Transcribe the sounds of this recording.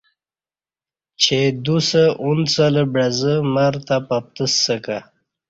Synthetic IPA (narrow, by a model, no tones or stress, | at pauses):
t͡ɕʰed̪usəunt͡sələbɾazəmaəɾt̪apap̚t̪əsəka